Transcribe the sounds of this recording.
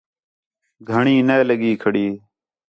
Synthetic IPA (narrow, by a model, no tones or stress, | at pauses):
ɡʱəɳiːneːləɠiːkʰəɽiː